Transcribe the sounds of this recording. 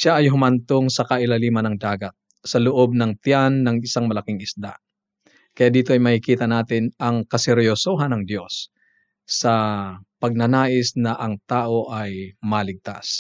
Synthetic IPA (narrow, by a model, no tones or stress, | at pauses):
ʃaʔɐjɦʊmɐnt̪oŋsɐkɐʔɪlɐliːmɐnɐŋd̪aːɡɐt̪̚ | sɐlʊʔo̞b̚nɐŋt̪janːɐŋɪsaŋmɐlɐkɪŋɪsd̪a̰ʔ | kɐjaʔd̪iːt̪oʔɐjmɐhɪkiːt̪ɐnaːt̪ɪnɐŋkɐsɛɾjosoɦɐnɐŋd̪jo̞sː | ɐpɐɡ̚nɐnaːʔɪsnɐʔɐŋt̪aːʔo̞ʔɐjmɐlɪɡ̚t̪a̰s